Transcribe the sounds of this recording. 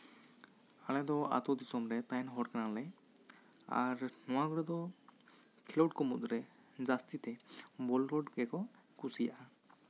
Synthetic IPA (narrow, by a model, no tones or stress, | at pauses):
alɛd̪ɔa̰t̪ɔd̪isɔmɾɛpɛnɦɔɽkanalɛ | a̰ɾnɔwaɡɔɾɛd̪ɔ | kʰilɔʈkɔmut̪ʼɾɛ | d͡ʒast̪it̪ɛbɔlɾɔɖkɛkɔ | kusija̰ʔa